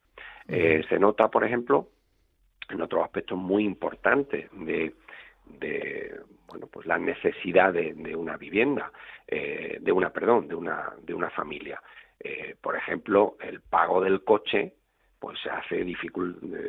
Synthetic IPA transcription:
ese̞no̞t̪apo̞ɾexẽ̞mplo̞ | eno̞t̪ɾosahpe̞k̚t̪o̞ɦmiimpo̞̰ɾt̪ant̪e̞̰d̪e̞ | d̪ḛ | bwe̞̰nopwe̞slanʔe̞θe̞siðaðe̞d̪e̞unaβiβje̞nd̪a̰ḛd̪e̞unape̞ɾð̞o̞nd̪euna̰d̪eunafa̰milja̰epo̞ɾe̞xe̞mplo̞e̞lpaɣ̞o̞ðe̞lko̞t͡ʃe̞ | pwesːea̰θe̞ðifikul

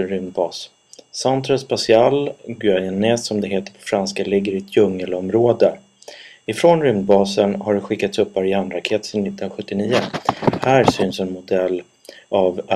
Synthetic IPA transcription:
ɾʏmbɑːsː | ant̪ʰɾaspasɪalɡʏajɛnɛsːɔmd̪ɛɦeːt̪əpʰɔ̥fɾanskalɪɡːəɾɪt̪ʰjɵŋːəlɔmɾoːd̪ə | ɪfɾonɾʏmd̪bɑːsənhaɖɧɪkːat̪sɵpːaɾɪand̪ɾakʰeːt̪sɛnːɪt̪ːnaɧɵt̪ːɪniːəhæːɾsʏnsɛnmʊd̪ɛlː | av

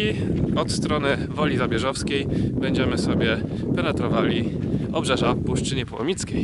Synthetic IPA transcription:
iɔt̪st̪ɾɔnɘ | vɔlʲizabʲjɛʐɔfskʲejbɛɲd͡ʑɛmɘsɔbʲjɛ | pɛnɛt̪ɾɔvalʲiɔbʐɛʐapuʂt͡ʂɘɲɛpwɔ̰mʲit̪kʲej

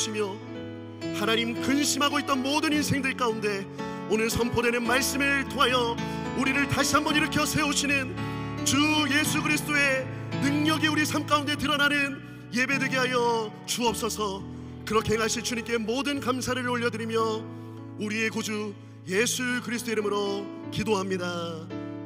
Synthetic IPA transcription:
ɕʰimjʌ | hanaɲimkɯnɕʰimɦaɡoit͈̚ʌnmodɯninsʰe̞ŋdɯɭk͈aunde̞ | onɯɭsʰʌmpʰode̞nɯnmaɭs͈ɯmɯɭtʰoɦajʌ | uɾiɾɯɭtaɕʰiɦamːbʌɲiɾɯɭk͈jʌsʰe̞oɕʰinɯnt͡ɕuje̞sʰuɡɯɾisʰɯ̥t͈oe̞ | nɯŋɲʌɡiuɾisʰamk͈aunde̞tɯɾʌnanɯn | je̞be̞dweɡiɦajʌ | t͡ɕuʌp̚s͈ʌsʰʌ | kɯɾʌkʰeɦeŋɦaɭɕ͈ʰit͡ɕuɲimk͈e̞modɯnkamsʰaɾɯɭoʎːʌdɯɾimjʌ | uɾie̞kod͡ʑu | je̞sʰukɯɾisʰt͈oiɾɯmɯɾo | kidoɦamɲida

